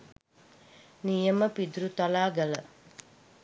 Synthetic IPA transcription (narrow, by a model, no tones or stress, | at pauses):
nijəməpid̪uɾut̪alaːɡələ